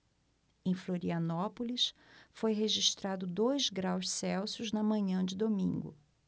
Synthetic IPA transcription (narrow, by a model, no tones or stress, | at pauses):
ẽj̃floɾiɐnɔpolisfojɦeʒiʃt̪ɾad̪ʊd̪ojzɡɾawʃsɛwsʊznɐmɐ̃ɲɐ̃d͡ʒɪd̪omḭ̃ŋɡʊ̰